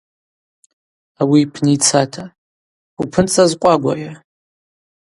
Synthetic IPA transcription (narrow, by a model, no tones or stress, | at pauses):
awipʰnit͡sʰatʰa | upʰɨnt͡sʼazqʷʼaɡʷa̰ja